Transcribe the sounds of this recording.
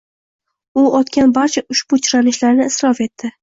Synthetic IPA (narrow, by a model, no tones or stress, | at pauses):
ʊɒt̪kʲanbaɾt͡ʃʰaʔʊʃbʊt͡ʃʰʊɾanɪʃlaɾnɪɪsɾɒfe̞t̪ʰːɪ